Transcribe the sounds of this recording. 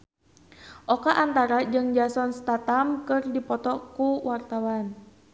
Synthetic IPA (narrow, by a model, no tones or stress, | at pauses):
ʔɔkaʔant̪aɾad͡ʒɨŋd͡ʒasɔnst̪at̪amkɨrdipɔt̪ɔkuwart̪awan